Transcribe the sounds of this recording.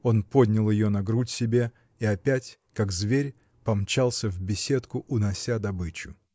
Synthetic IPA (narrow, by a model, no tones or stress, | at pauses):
o̞npo̞dʲnʲɪlˠjɪjonɐɡɾutʲsʲɪbʲe̞ | iɐpʲætʲkaɡzvʲeɾʲ | pɐmt͡ɕalˠsʲəvbʲɪsʲet̪kʊʔʊnɐsʲad̪ɐbɨt͡ɕʊ̰